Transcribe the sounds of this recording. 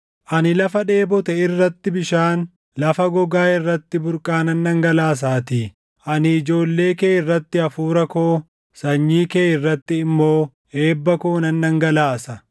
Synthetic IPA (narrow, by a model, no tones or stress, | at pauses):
ʔɐnɪlɐfɐᶑeːbɔt̪ɛɪrːɐt̪ːɪbɪʃaːn | lɐfɐɡɔɡaːɪrːɐt̪ːɪbʊɾkʼaːnɐnːɐŋɡɐlaːs̬aːt̪iː | ʔɐnɪɪd͡ʒo̞ːlːe̞ːkeːɪrːɐt̪ːɪɐfuːɾɐkoː | sɐɲːiːkeːɪrːɐt̪ːɪːmːo̞ː | e̞ːbːɐkoːnɐnːɐŋɡɐlaːsɐ